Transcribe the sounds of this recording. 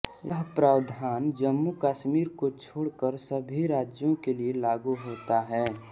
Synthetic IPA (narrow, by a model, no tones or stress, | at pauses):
jəɦpɾaːwd̪ʱaːnd͡ʒəmːukaːʃmiːɾkot͡ʃʰoːɽkəɾsəbʱiɾaːd͡ʒjõkelielaːɡuɦoːt̪aɦɛː